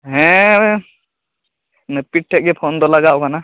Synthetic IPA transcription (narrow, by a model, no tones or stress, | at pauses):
ɦɛ̃ | nəpiʈ̚ʈʰːɛʔ̚ɡɛpʰɔnd̪ɔlaɡaʔkana